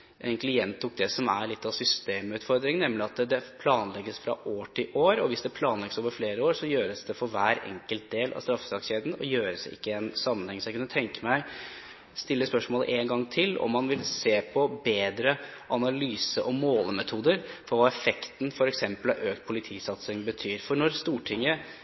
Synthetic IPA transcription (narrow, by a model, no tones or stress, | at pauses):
ɛnkʰlɪjɛnt̪ʰːʊk̚d̪ɛsɔmæɭɪt̪ːɑʋsʏst̪eːmʉːt̪fɔɾd̪ɾɪŋnɛmlɪɑt̪d̪ɛpʰlɑːnlɛɡːəsfɾɑ̰ʔoːʈʰɪʔoːɾɔʋɪsd̪ɛpʰlɑːnlɛɡəsoːʋəɾfleːɾəoːɾsɔjøːɾəsd̪ɛfɔɾʋæːɾɛ̰ŋkəlt̪̚d̪eːlʔɑ̰ʋst̪ɾɑfːə̥sɑksçeːd̪n̩ɔjøːɾəsɪ̰kːəɛnsɑmːənhɛŋːsɔjækʉnːət̪ʰɛŋkəmæɪ | st̪ɪlːəspœʂmoːlə̰ʔeːnɡɑŋːt̪ʰɪlɔ̰mːɑnʋɪlseːpʰɔbeːd̪ɾəʔɑnɑlyːsəʔɔmoːləmɛt̪ʰuːd̪əɾfɔɾʋɑːɛfɛkt̪n̩fɔɾɛksɛmpəlɑʔøːkt̪̚pʰʊlɪt̪ʰiːsɑt̪sɪŋbət̪ʰyːɾfɔɳɔɾst̪uːʈʰɪŋːə